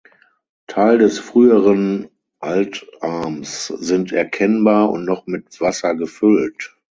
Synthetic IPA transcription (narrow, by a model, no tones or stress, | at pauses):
tʰaɪldɛsfʁ̥yːəʁən | ʔaltʔaɐmszɪntʰɛɐkʰɛnbaːɐʊ̰ntnɔχmɪtv̥asɐɡəfʏlt